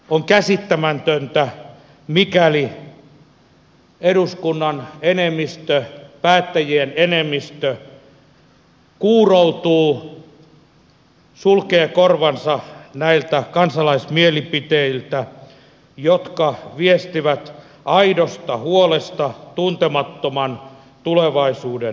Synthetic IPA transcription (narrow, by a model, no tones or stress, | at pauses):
oŋkæsit̪ːæmænt̪ønt̪æ | mikæli | eduskunːɑnenemːist̪øpæːt̪ːæjienenemːist̪ø | kuːrout̪uː | sulkeːkorʋɑnsɑnæilt̪ækɑnsɑlɑismielipit̪eilt̪æ | jot̪kɑʋiest̪iʋæt̪ | ɑidost̪ɑhuolest̪ɑt̪unt̪emɑt̪ːomɑn | t̪uleʋɑisuːde